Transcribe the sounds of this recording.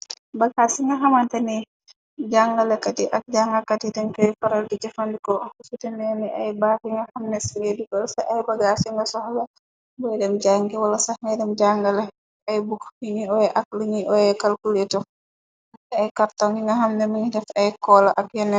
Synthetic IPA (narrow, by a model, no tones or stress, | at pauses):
baɡasiŋɡaɦamantɛni | d͡ʒaŋɡalɛkatiʔak̚d͡ʒaŋɡakatitɛnkɔfaɾaldid͡ʒafandikɔsutɛnɛnɛʔajbakiŋɡahamnɛsiɡedikɔlsaʔajbaɡasiŋɡasɔhlɛ | bɔɛdɛmd͡ʒaŋɡiwalasaŋadɛmd͡ʒaŋɡalɛ | ajbukiɲiɔjɛʔak̚liɲiʔɔjɛkalkulɛtɔ | ajkaɾtɔŋɡiŋɡaɦamnɛmiɲidɛfajkɔːlaʔakjɛnɛ